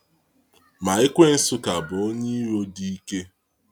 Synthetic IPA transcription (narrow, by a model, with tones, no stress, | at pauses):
ma˨ɪ˦kʷe˦n̩˦sʊ˦ka˨bʊ˨o˦ɲe˦ɾo˦di˦ke˦